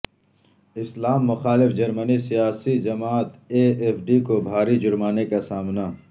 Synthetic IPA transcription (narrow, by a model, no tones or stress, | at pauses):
ɪslaːmːʊxaːlɪfd͡ʒɐɾmənisijaːsid͡ʒɐmaːt̪eːeːfɖikobʱaːɾid͡ʒʊɾmaːnekasaːmna